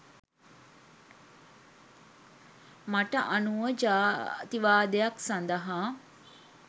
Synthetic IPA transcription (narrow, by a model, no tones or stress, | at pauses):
maʈəʔanuʋəd͡ʒat̪iʋaːd̪ejaksand̪əɦaː